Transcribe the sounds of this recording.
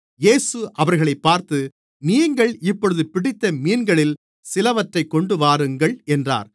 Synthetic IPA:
jeːsɯʔɐʋɐɾɣɐɭɐɪpːaːɾt̪ɯ | niːŋɡɐɭɪpːɔɻɯðɯpɪɽɪt̪ːɐmiːnɡɐɭɪl | sɪlɐʋɐʈrɐɪkːɔɳɖɯʋaːɾɯŋɡɐɭɛndra̰ːɾ

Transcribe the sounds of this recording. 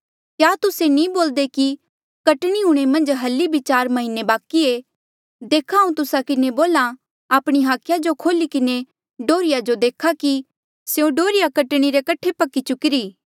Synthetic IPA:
kjaːt̪ʊsenĩboːld̪eki | kɐʈɽ̃iɦʊɽ̃emɐ̃nd͡ʒɦɐlibʱɪt͡ʃaːɾmɐɦɪnːebaːkie | d̪eːkʰaːũt̪ʊsakɪneboːla | aːpɽ̃iɦaːkʰjad͡ʒokʰoːlikɪne | ɖoːɾɪjad͡ʒod̪eːkʰaki | seũɖoːɾɪjakɐʈɽ̃iɾekɐʈʰːepɐkit͡ʃʊkɪɾiː

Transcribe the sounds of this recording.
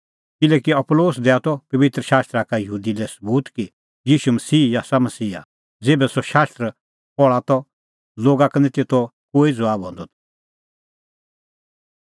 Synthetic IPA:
kɪlɛkiɐploːsd̪ɛat̪ɔpɐʋɪt̪ɾəʃaːst̪ɾakajəɦuːd̪ilɛsəbuːt̪ki | jiːʃumɐsiːjaːsamɐsiːa̰ | d͡zeːbɛsɔʃaːst̪ɾə | pɔɭat̪ɔ | loːɡaknɛt̪et̪ɔkoːid͡zɔaːbɦɔ̃nd̪ɔt̪ʰ

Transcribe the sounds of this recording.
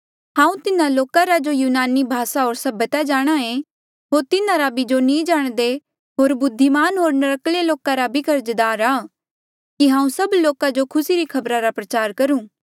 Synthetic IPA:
hãːũt̪ɪnãloːkaɾad͡ʒojuːnaːnibʱaːsaɦoːɾsɐbət̪ad͡ʒaːɽ̃aẽ | ɦoːɾt̪ɪnaɾabid͡ʒonĩd͡ʒaːɽ̃d̪e | ɦoːɾbʊd̪ʱːimaːnɦoːɾnɐɾəkleloːkaɾabʱikɐɾd͡ʒd̪aːɾaː | kiɦãːũsɐbloːkad͡ʒokʰʊsiɾikʰɐbɾaɾapɾɐt͡ʃaːɾkɐɾũː

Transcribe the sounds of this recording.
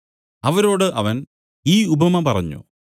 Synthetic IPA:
ɐʋɐɾo̞ːɽɨʔɐʋɐn | iːubʱɐmɐpɐrɐ̰ɲːṵ

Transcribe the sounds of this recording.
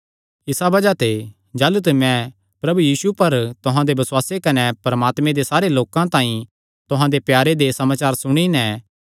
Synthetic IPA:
ɪsabɐd͡ʒat̪e | d͡ʒaːlut̪emɛ̃ | pɾɐbujiːsupɐɾt̪ʊɦãd̪ebɐswaːsekɐnepɾɐmaːt̪mẽd̪esaːɾeloːkãt̪ãːĩ | t̪ʊɦãd̪epjaːɾed̪esɐmaːt͡ʃaːɾsʊɽ̃inɛ̃

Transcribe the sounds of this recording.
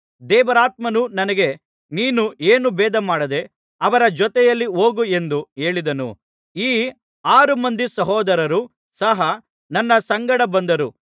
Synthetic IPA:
d̪ɛːʋɐɾaːt̪̚mɐnunɐnɐɡe̞ | niːnuʔeːnubɛːd̪ɐmaːɽɐd̪e̞ | ɐʋɐɾɐd͡ʒɔt̪ɛjɐlːioːɡue̞nd̪ue̞ːɭid̪ɐnṵ | iː | aːɾumɐnd̪isɐɦɔːd̪ɐɾɐɾu | sɐɦɐ | nɐnːɐsɐŋɡɐɽɐbɐnd̪ɐɾu

